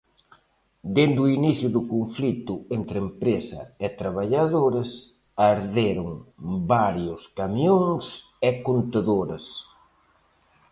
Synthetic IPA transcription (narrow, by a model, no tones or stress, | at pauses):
d̪end̪ʊiniθjʊðʊkoɱflit̪ʊent̪ɾempɾesɐ̰ɛt̪ɾaβ̞aʎaðoɾɐs | aɾðeɾʊŋbaɾjʊskamjoŋs | ɛkont̪aðoɾɐs